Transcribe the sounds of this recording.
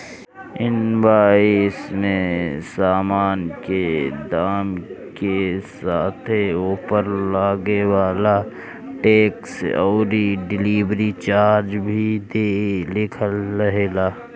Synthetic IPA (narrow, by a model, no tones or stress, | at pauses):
ɪnbaːismẽsaːmaːnked̪aːmkesaːt̪ʰeuːpəɾlaːɡewaːla | ʈeːksɔːɾiɖɪliːbɾit͡ʃaːɾd͡ʒbʱid̪eːlɪkʰəlːɐɦeːlaː